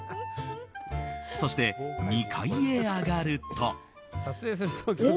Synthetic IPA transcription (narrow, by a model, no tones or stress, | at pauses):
so̞ɕi̥t̪e̞mʲikʰaieaɡaɾɯ̟t̪ʰːo̞̰ | sat͡sɨe̞ːs̬ɨɾɯt̪ʰokʲi